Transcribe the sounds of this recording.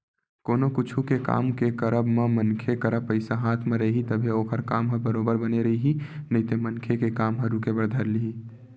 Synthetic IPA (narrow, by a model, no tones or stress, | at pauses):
koːnokʊt͡ʃʰukeka̰ːmkekəɾəbmemənkʰekəɾəpːəɪsaɦaːt̪ʰmẽɾɐɦit̪əbʱeoːkəɾkaːmɦəbəɾoːbəɾbəneɾəɦiɦinəĩt̪emənkʰekekaːmɦəɾukebəɾd̪ʱəɾliɦi